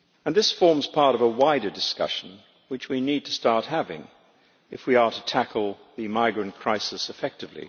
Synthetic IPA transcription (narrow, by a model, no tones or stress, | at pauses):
ɨ̃nðɪsfɔɹmz̥pʰɑɹɾʌvəwaɪɾə˞dɨskʌ̰ʃn̩ | wɨt͡ʃwinid̚tʰɨstɑɹt̚hævɪ̰̃ŋ | ɨfwiəɾɨtʰækʰl̩ˠ | ðɨmaɪɡɹɨ̃nkʰɹ̥aɪsɨsɨfɛk̚tɨvlḭ